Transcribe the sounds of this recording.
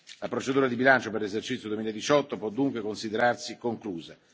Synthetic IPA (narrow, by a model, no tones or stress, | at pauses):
lapɾot͡ʃed̪uːɾad̪ibilant͡ʃoperlezert͡ʃit̪sjod̪uemilaed̪it͡ʃɔt̪ːopwɔd̪ːuŋkwekonsid̪eɾarsikoŋkluːza